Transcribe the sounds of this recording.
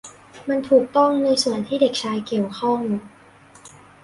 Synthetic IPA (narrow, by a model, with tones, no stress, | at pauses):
ma˧nt̪ʰuː˨˩k̚t̪ɔ˥˩ŋna˧jsu˨˩ənt̪ʰiː˥˩de˨˩k̚t͡ɕʰaː˧jki˨˩əwkʰɔ˥˩ŋ˧